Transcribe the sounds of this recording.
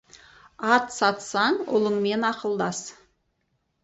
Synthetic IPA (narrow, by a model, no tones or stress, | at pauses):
ɑt̪sɑt̪sɑɴʊ̰lˠəɴme̞nɑqəlˠd̪ɑs